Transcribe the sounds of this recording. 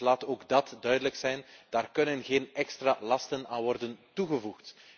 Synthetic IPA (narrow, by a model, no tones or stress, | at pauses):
laːtoːɡdɑtdœɥdələksɛjnd̥aːrkɵnənɣeːnɛkstraːlɑstənaːnʋɔrdəntuɣəvuxt